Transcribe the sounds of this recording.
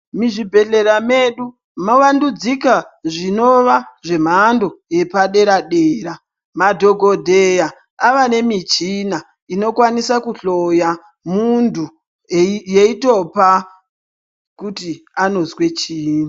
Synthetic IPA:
miʐibʱe̞ɬe̞ɾame̞ɗu | maʋandud͡zikaʐino̞ʋaʐe̞m̤aːndo̞je̞paɗe̞ɾaɗeːɾa | madʱo̞ɡʱo̞dʱeja | aʋane̞mit͡ʃina | ino̞kwanisakuɬo̞ja | mundʱu | jeito̞pa | kutiano̞zwe̞t͡ʃiːna

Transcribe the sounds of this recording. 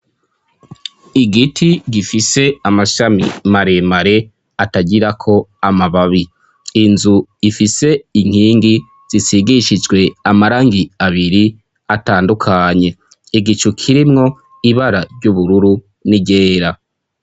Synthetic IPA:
iɡitʰiɡifise̞amaʃamḭmaɾe̞maɾe̞ | ataɟiɾakʰo̞amaβaβiː | nzuifise̞iŋ̥hiːŋɡi | z̥isiɡiʃid͡ʒɡwe̞amaɾaːŋɡiaβiɾi | ataːndukʰaɲe̞ | iɡit͡ʃukʰiɾimŋo̞ | iβaɾaɾɟuβuɾuɾu | niɟe̞ːɾa

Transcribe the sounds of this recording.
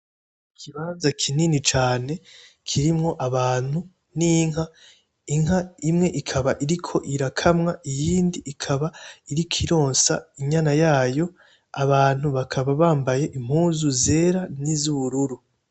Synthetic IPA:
ikʰiβaːnzakʰininit͡ʃaːne̞ | kʰiɾimŋo̞ʔaβaːn̥hu | niŋha | iŋhaimŋe̞ʔikʰaβaʔiɾikʰo̞ʔiɾakʰamŋaijiːndiʔːkʰaβaiɾikʰiɾo̞ːnsaiɲanajaːjo̞ | aβaːn̥huβakʰaβaβaːmbaje̞ʔim̥huːzuze̞ːɾanizuβuɾuɾu

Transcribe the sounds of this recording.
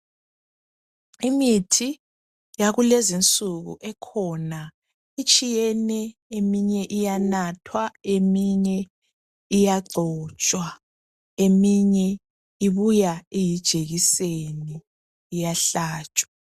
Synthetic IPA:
imitʰi | jaɣulezint͡sʼuɣṵʔɛkʰɔna | it͡ʃʼijɛnɛemiɲɛʔijanatʰwaemiɲɛ | ijaɡ͡ǀʱɔt͡ʃʼwa | emiɲɛ | iβujaejid̥ʒ̥ʱeɣiseniː | jaɬaːt͡ʃʼwa

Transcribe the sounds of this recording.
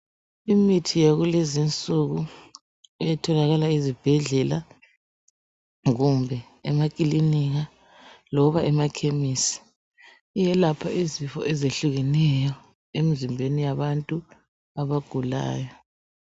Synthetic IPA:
imitʰijaɣulezint͡sʼuɣu | ijɛtʰɔlaɣalaizib̥ʱɛɮɛla | ɣumbʱɛ | ɛmakʼiliniɣa | lɔuβaɛmakʰemisi̥ | ijɛlapʰaizifɔ̰ʔɛzeɬuɣɛnɛjɔ | emizimbʱenijaβantʼu | aβaɡ̥ʱula̰ːjɔ

